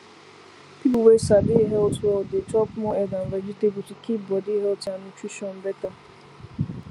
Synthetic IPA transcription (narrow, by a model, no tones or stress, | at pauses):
pibuwesadɪɦeotɔldɪt͡ʃɔpʊmɔɛdam̩ved͡ʒitebutikibɔdiɦeotanut͡ʃiʃɔn̩bɛta